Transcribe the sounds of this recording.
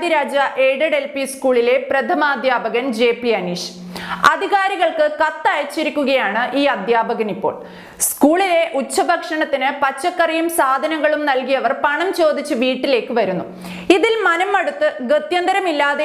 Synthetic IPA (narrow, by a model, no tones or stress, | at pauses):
d̪iɾaːd͡ʑɐʔeːɽɐɽelpiskuːɭile̞prɐt̪ʰɐmaːd̪ʱjaːbɐɣɐnd͡ʑe̞ːpiɐniːʂ | ɐd̪ʱiɣaːɾiɣɐɭkɨkɐt̪ːajɐt͡ɕːiɾikʲːuɣɐjaːɳɨʔiːɐd̪ʱjaːbɐɣɐnipːo̞̰ːɭ | skuːɭile̞ʔut͡ɕːɐbʱɐkʂɐɳɐt̪ːinɨpɐt͡ɕːɐkːɐrijumsaːd̪ʱɐnɐŋːɐɭumnɐlkijɐʋɐrpɐɳɐmt͡ɕo̞ːd̪ʱit͡ɕːɨʋiːʈːile̞ːkːɨʋɐɾunːu | iðilmɐnɐmːɐɽut̪ːɨɡɐt̪jɐnd̪ɐɾɐmilːaːðe